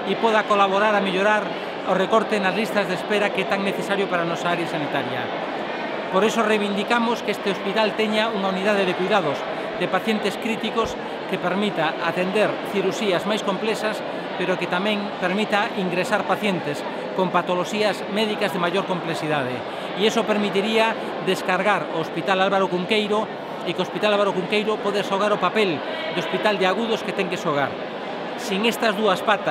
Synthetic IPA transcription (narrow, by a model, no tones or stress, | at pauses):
ipoðakolaβoɾaɾameʎoɾaɾ | orekoɾt̪enazlist̪ɐzðespeɾakɛt̪aŋneθesaɾjopaɾaːnɔsaaɾjasanit̪aɾjɐ̰ | poɾesorejβind̪ikamoskest̪eospit̪alt̪ɛɲauŋauniðaðeðekujðaðʊz | d̪epaθjent̪eskɾit̪ikos | kepeɾmit̪aat̪end̪eɾθiɾuʃiɐzmajskomplɛsɐs | peɾoket̪amɛ̃ŋ | peɾmit̪aiŋɡɾesaɾpaθjent̪es | kompat̪oloʃiɐzmɛðikazðemajoɾkomplesiðað̞e | iesopeɾmit̪iɾiɐ | d̪eskaɾɣaɾoːspit̪alalβaɾokuŋkejɾo | ɪkospit̪alalβaɾokuŋkejɾopoðeʃoɣ̞aɾopapel | d̪ospit̪ald̪eaɣuðosket̪ɛŋkeʃoɣ̞aɾ | siŋest̪ɐzðuɐspat̪